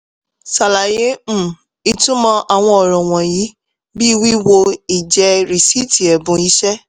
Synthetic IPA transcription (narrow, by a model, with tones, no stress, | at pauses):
sa˨la˨jẽ˨˦˨ | i˧tũ˦mã˦ʔa˨w̃ɔ̃˧ɔ˨ɾ̃ɔ̃˨w̃ɔ̃˨ji˨˦ | bi˦˧wi˦wo˧i˨d͡ʒɛ˧ɾi˨si˦˨ti˨ɛ˨bũ˨˧i˦ʃɛ˦